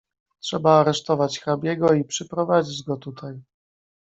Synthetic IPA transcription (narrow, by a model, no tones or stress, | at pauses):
tʂɛbaːɾɛʂt̪ɔvat͡ɕxɾabʲjɛɡɔipʂɛpɾɔvad͡ʑid͡ʑɡɔt̪ut̪ʰaj